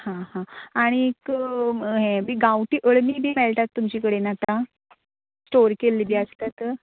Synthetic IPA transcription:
hãɦãaɽ̃iek | ɦɛ̃biːɡawʈiːʔəɭmiːbʱiːmɛɭʈ̪at̪ːumt͡ɕiːkəɽenat̪a | sʈoɾkelːiːbʱiːast̪at̪

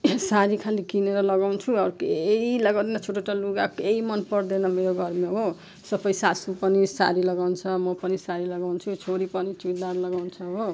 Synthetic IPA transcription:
saɾikʰalikineɾʌlʌɡawnt͡sʰuʌɾukilʌɡaw̃d̪enat͡sʰoʈoʈaluɡakoeimʌnpʌrd̪enʌmeɾoɡʌrmeɦo | sʌpʌjsasupʌnisa̰ɾilʌɡawnt͡sʰʌmʌpʌnisaɾilʌɡawnt͡sʰut͡sʰoɾipʌnit͡silaɾʌlʌɡawnt͡sʰʌɦo

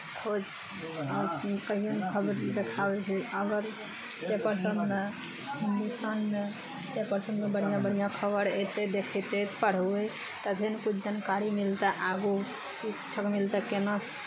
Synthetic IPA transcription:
kʰod͡ʒ | akəɦijonkʰəbəɾd̪ekʰabɛt͡ʃʰɛəɡəɾ | t͡ʃepəɾsənd̪me | ɦind̪ust̪anme | t͡ʃepəɾsənmebəɽ̤ijãbəɽ̤ijãkʰəbəɾet̪ed̪ekʰɛt̪et̪pəɽ̤əe | t̪əbʱenkut͡ʃʰd͡ʒankaɾimilt̪ɛʔaɡu | sikt͡ʃʰəkmilt̪ɛkena

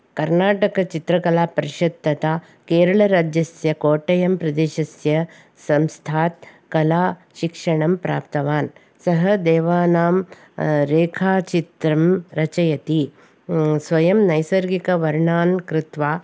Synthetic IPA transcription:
kɐɾnaːʈɐkɐt͡ʃit̪ɾɐkɐlaːpɐɾiʃɐt̪ːɐt̪aː | keːɾɐɭɐɾaːd͡ʒjɐsjɐkoːʈɐjɐmpɾɐd̪eːʃɐsjɐ | sɐmst̪ʰaːt̪ | kɐlaːʃikʂɐɳɐmpɾa̰ːp̚t̪ɐʋaːn | sɐɦɐd̪eːʋaːnaːm | ɾeːkʰaːt͡ʃit̪ɾɐmɾɐt͡ʃɐjɐt̪i | sʋɐjɐmnɐjsɐɾɡikɐʋɐɾɳaːnkɾɪt̪ʋaː

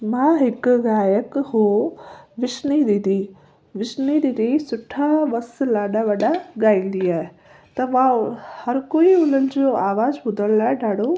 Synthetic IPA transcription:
mãːɦɪkɣaːjəkɦoːʋɪʃnid̪id̪i | ʋɪʃnid̪id̪isʊʈʰaʋɐslaːɗaʋɐɗaɡaːĩːnd̪iaːɦe | t̪ɐʋãhɐɾkoːiʊlənɪ̆d͡ʑoːaːʋaːzbʊd̪ʱəlaːeɖaːɽo

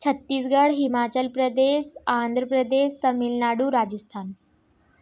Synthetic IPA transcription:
t͡ɕʰət̪ːiːs̬ɡəɽɦimat͡ɕəlpɾəd̪eɕãnd̪ʱɾəpɾəd̪eɕt̪əmilnaɽuːɾad͡ʑəst̪ʰan

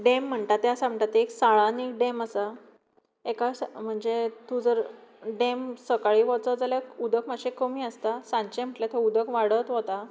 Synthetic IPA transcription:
ɖem̤ːəɳʈ̪at̪ːeasaməʈ̪at̪ːeeksaɭaniːkɖeməsa | ekasm̤əɳd͡zet̪ud͡zəɾɖemsəkaɭiːʋɔt͡səd͡zaljaud̪əkmaɕekəmiːəst̪asãɲt͡ɕem̤əʈljat̪ʰeud̪əkʋaɽət̪ɦot̪a

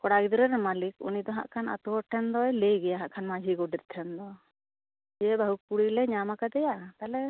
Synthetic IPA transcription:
kɔɽaɡid̪ɔɾɛɾmalikṵnid̪ɔɦa̰ʔkʰana̰t̪uɦɔʈʰɛnd̪ɔjɛlejɡɛjaɦaʔkʰanmad͡ʒʱiɡɔɖiɾt̪ʰɛnd̪ɔ | d͡ʒɛbaɦukuɽilɛɲamakad̪ɛjaʔt̪alɛ

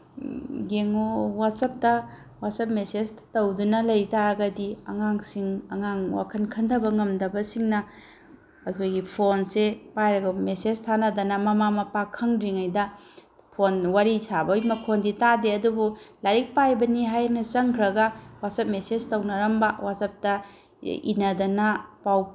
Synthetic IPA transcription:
ɡeŋowatsɐp̚tɐ | wasɐp̚meseztowdunɐlɐjtaɾɐɡɐdiɐŋaŋsiŋɐŋaŋwa̰kʰɐnkʰɐndʰʱɐbɐŋɐmdɐbɐsiŋnɐ | ɐkʰojɡipʰonsepajɾɐɡɐmeseztʰanɐdɐnɐmɐmamɐpakʰɐŋɾiŋajdɐ | pʰonwaɾisʰabɐjmɐkʰonditadeɐdubulaɾik̚pajbɐniɦajnɐt͡ʃɐŋkʰɾɐɡɐwasɐp̚mesed͡ʒtɐwnɐɾɐmbɐwasɐp̚tɐ | ḭnɐdɐnɐpaw

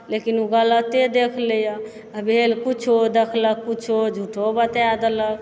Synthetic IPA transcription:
lekinuɡələt̪ed̪ekʰləjɔ | əbʱelkut͡ʃʰod̪ekʰləkːut͡ʃʰod͡ʒʱuʈʰobət̪jad̪ələk

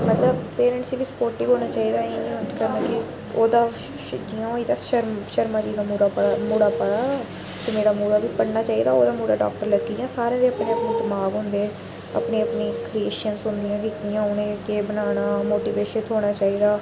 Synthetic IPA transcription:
mət̪ləbpeːɾə̃ɳʈsiːʋiːspoːɾʈiːɡɦoːñaːt͡ʃaːiːd̪aːeːnĩːʊkəɾnaːkɪ | oːd̪aː | ʃd͡ʒiːãːoiːd̪aːʃəɾmʃəɾmaːd͡ʒiːd̪aːmuɽamuːɽaːpəɽaː | t̪eːmeːɽaːmuːɽaːʋiːpəɽnaːt͡ʃaːiːd̪aːoːd̪aːmuːɽa̰ːɖa̰ːk̚ʈəɾləɡiːjãːsaːɾẽːd̪eːəpneːəpneːd̪əmaːɡɦʊ̃nd̪eː | ə̰pneːəpneːkɾieːʃənsʊnd̪ɪjãːkɪkiːãːʊnẽːkeːbənaːnaːmoːʈiːʋeːʃət̪ʰɦoːɽ̃aːt͡ʃaːiːd̪aː

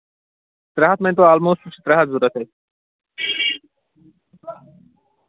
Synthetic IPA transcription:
t̪ɾaɦat̪ment̪̬oalmosuʃi̥t̪ɾaɦat̪zuɾat̪ʰe

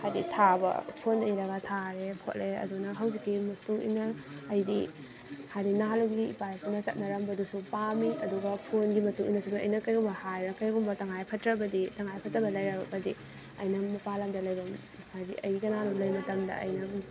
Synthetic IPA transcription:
hajditʰabɐ̰pʰonɐjɾɐɡɐtʰaɾepʰo̰t̚leɐ̰dunɐɦɐwzikːimɐtuḭnɐːjdi | hajɾinaluɡiḭpajpʰunɐsɐt̚nɐɾɐmbɐdusupamiɐduɡɐpʰonɡimɐtuʔinɐsubɐʔɐ̰jnɐkɐjɡumbɐhajɾɐkɐjɡumbɐtɐŋajpʰɐtɾɐbɐditɐŋajpʰɐtɾɐbɐlɐjɾɐbɐdi | ɐ̰jnɐmɐpalɐmdɐlɐjɾɐm | hajdiʔɐ̰jɡikɐnalumlɐjmɐtɐmdɐ̰ʔɐ̰jnɐ

